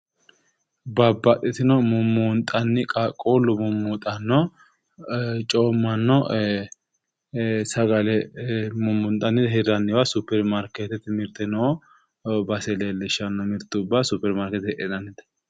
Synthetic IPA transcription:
bɐbːɐt̪ʼːɛt̪ɪnɔmʊmunt̪ʼɐnːɪkʼakʼoːlːʊmʊmːut̪ʼɐnːɔ | t͡ʃʼoːmːɐnːɔ | sɐɡɐlɛmʊmːʊnt̪ʼɐnːɪd̪hɛɾɐnːɪwasʊpːɛɾmaɾket̪ɛt̪mɪɾt̪ɛnɔ | bɐsɛlelɛʃɐnːɔmɪɾt̪ːʊʊbːasʊpːɛɾmaɾkɛt̪hɛʔɛnɐnːɪd̪ɐ̥

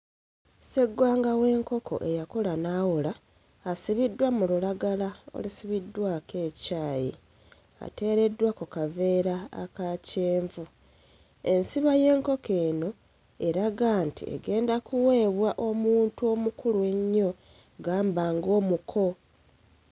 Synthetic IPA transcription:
se̞ɡːwaːŋɡawe̞ːŋko̞kʰo̞̰ʔe̞jakolanaːwolaː | siβidːwamululaɡalao̰lisiβidːwaːkʰe̞ːcaːjḭ | a̰te̞ːɾe̞dwakukave̞ːɾa̰ːkaceːɱvu | e̞nsiβaje̞ːŋko̞ke̞ːno̞ | e̞ɾaɡaːntḭḛɡe̞ːndakuwe̞ːβwaʔo̞muːntuo̞mukulue̞ɲːo̞ | ɡaːmbaːŋɡo̞ːmukʰo̞

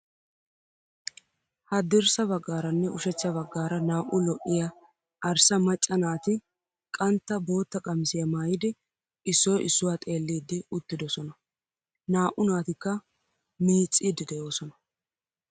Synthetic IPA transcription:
hɐd̪ɪɾsɐbɐɡːaːɾɐnːɛʊʃɛt͡sːɐbɐɡːaːɾɐnaːʔʊlɔʔɪjɐ | ʔɐɾsɐmɐt͡ʃʼːɐnaːt̪ɪ | kʼɐnt̪ːɐbo̞ːt̪ːɐkʼɐmɪsɪjɐmaːjɪd̪ɪ | ɪsːɔjʔɪsːʊwaːt̪ʼe̞ːlːiːd̪ːɪʊt̪ːɪd̪ɔsɔnɐ | naːʔʊnaːt̪ɪkːɐ | miːt͡sʼːiːd̪ːɪd̪ɛjo̞ːsɔnɐ̥

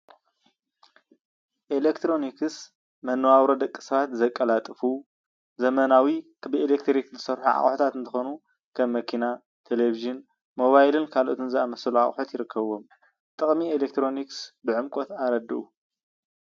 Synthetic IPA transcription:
ʔelekt̪ʰɾo̞nikɨs | mɐnːɐwawɾod̪ɐkʼːi̥sɐβat̪zɐkʼːɐlat̪ʼɨfu | zɐmɐnawikbɨelek̚t̪ʰɾikzɨsɐɾħuʕa̰χʼħut̪ʰat̪ɨnt̪ʰɨxo̞nu | kʰɐmːɐkʰina | t̪ʰelebiʒɨn | mo̞βajlɨnkʰalʔot̪ɨnzɨamɐsɐluʕa̰χʼħut̪jɪɾɨkʰːɐβo̞m | t̪ʼɨχʼmielek̚t̪ʰɾo̞niksbɨʕɨmkʷʼot̪aɾɐd̪ɨʔu

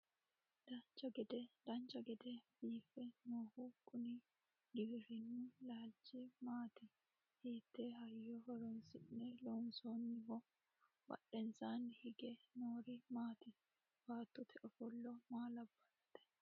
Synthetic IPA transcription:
d̪̥ɐnt͡ʃɐɡɛd̪ɛd̪̥ɐnt͡ʃɐɡɛd̪ɛbiːfɛnoːhukʼʊnɪ | d̪ɪbɪɾɪnːʊlaːlt͡ʃːɪmaːt̪ɪ | hiːt̪ːɛɦɐjːɔhɔɾɔnsɪʔːɛlɔʊnsoːnːɪmɔ | bɐ̰ɗɛnsaːnːɪhɪɡɛnoːɾɪmaːt̪ɪ | b̥aːt̪ːɔt̪ʰɛʔɔfɔlːɔmaːlɐbːɐlɐt̪ːɛ̥

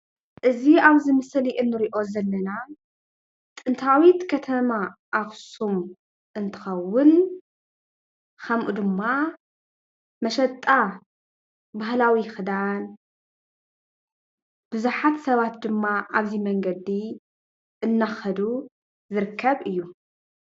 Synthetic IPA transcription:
ʔɨziaβzɨmɨsliʔɨnːɨɾiʔo̞zɐlːɐna | t̪ʼɨnt̪ʰawit̪kʰɐt̪ʰɐmaʔaβsum | ʔɨnt̪ʰɨ̥xɐwːʊn | kʰɐmʔud̪ɨmːa | mɐʃɐt̪ʼːa | baɦlawixɨd̪an | b̥ɨzuħat̪sɐβat̪d̪ɨmːaʔaβzimɐŋɡɐd̪i | ʔɨnːaxɐd̪u | zɨɾɨkʰːɐβʔɨjːu

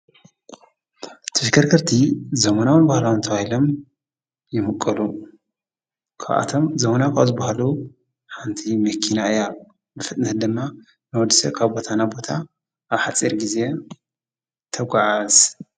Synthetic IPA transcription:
t̪ʰɨʃkʰɐɾkʰɨɾt̪ʰizɐmɐnawɨnbahlawɨnt̪ʰɐβahilo̞m | jɪmɨkʼːɐlu | kʰa̰βʔa̰t̪ʰomzɐmɐnakʰazɨbahalu | ħant̪ʰimɐkʰːinaɨja | bɨfɨt̪ʼnɨt̪d̪ɨmːa | nɨwɔd̪isɐkʰaβbo̞t̪ʰanabo̞t̪ʰa | ʔaβħat͡sʼiɾɡize̞ | t̪ʰɐɡʷaʕaz

